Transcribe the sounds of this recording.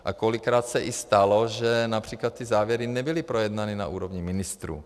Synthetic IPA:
ʔakolikɾaːt̪sɛʔɪst̪aloʒɛnapr̥iːklat̪ːɪzaːvjɛɾɪnɛbɪlɪpɾojɛd̪nanina̰ʔuːɾovɲɪmɪnɪst̪ɾṵː

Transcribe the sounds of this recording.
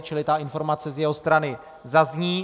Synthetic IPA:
t͡ʃɪlɪt̪aʔɪnfo̞ɾmat͡sɛzjɛɦo̞st̪ɾanɪ | zazɲiː

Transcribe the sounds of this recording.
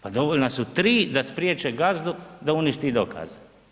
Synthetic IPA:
pad̪oʋolnasut̪ɾiːd̪aspɾjeːt͡ʃɛɡazd̪ud̪auniʃt̪id̪okʰa̰ːze

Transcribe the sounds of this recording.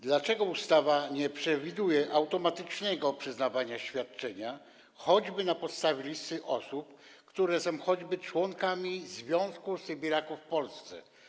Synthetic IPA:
d̪lat͡ʂɛɡɔust̪avaɲɛpʂɛvʲid̪ujɛʔawt̪ɔmat̪ɘt͡ʂnɛɡɔpʂɘznavaɲaɕfʲjat̪̚t͡ʂɛɲa | xɔd͡ʑbɘnapɔt̪st̪avʲjelʲist̪ɘʔɔsup | kt̪uɾɛsɔ̃w̃xɔd͡ʑbɘt͡ʂwɔŋkamʲizvʲjɔ̃w̃skusɛbʲiɾakufːpɔlst̪sɛ̰

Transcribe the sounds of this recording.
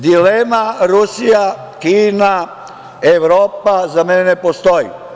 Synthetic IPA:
d̪ilemaɾusija | kiːna | eʋɾoːpazamenenepost̪ojḭ

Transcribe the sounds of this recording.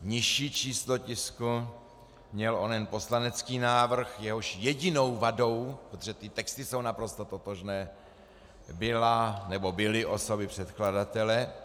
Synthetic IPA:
ɲɪʃiːt͡ʃiːslo̞cɪsku | mɲɛlʔonɛnposlanɛt͡skiːnaːvr̩xjɛɦoʃjɛɟɪno̞wvado̞wpɾot̪oʒɛt̪ɪt̪ɛkst̪ɪso̞wnapɾo̞st̪ot̪ot̪oʒnɛː | bɪlanɛbo̞bɪlɪʔoso̞bɪpr̝̥ɛt̪kladat̪ɛlɛ

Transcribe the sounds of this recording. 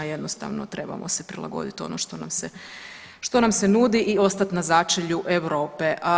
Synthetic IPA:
je̞d̪nost̪a̰ʋno̰t̪ɾe̞ba̰mo̰sepɾilˠa̰ɡo̞̰d̪it̪o̞̰noʃt̪o̞na̰mse | ʃt̪o̞namsenuːd̪iʔio̞st̪at̪nazat͡ʃeʎuʔeʋɾo̞ːpeʔ

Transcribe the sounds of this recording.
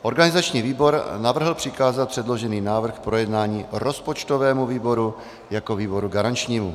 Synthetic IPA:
ʔo̞ɾɡanɪzat͡ʃɲiːviːbo̞ɾnavr̩ɦl̩pr̥ɪkaːzat̪̚pr̥ɛdlo̞ʒɛniːnaːvr̩xpɾo̞jɛdnaːɲiːɾo̞spot͡ʃt̪ovɛːmuviːbo̞ɾu | jako̞viːbo̞ɾuɡaɾant͡ʃɲiːmu

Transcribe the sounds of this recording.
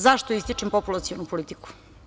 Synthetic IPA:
zaʃt̪oist̪it͡ʂempopulˠat̪sionupolit̪i̥ku̥

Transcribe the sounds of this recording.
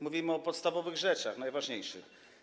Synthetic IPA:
muvʲimɘɔpɔt̪st̪avɔvɘɣʐɛt͡ʂaxnajvaʐɲejʂɨ̰x

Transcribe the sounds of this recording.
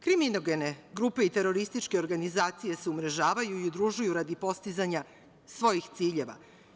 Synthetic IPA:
kɾiminoɡe̞ne̞ɡɾupe̞it̪e̞ɾo̞ɾist̪it͡ʃke̞o̞ɾɡanizaːt̪sije̞seumɾe̞ʒaːʋajuiud̪ɾuʒujuɾad̪ipo̞st̪izaɲa | sʋo̞jixt̪siːʎe̞ʋa̰

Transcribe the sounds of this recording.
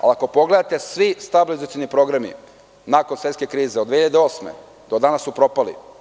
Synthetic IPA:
a̰lako̞po̞ɡle̞d̪at̪e̞sʋist̪abilizat̪sjonipɾo̞ɡɾamḭ | nako̞nsʋe̞t̪ske̞kɾiːzeod̪eçiʎad̪eo̞ːsmḛ | d̪̥od̪anasːupɾo̞palḭ

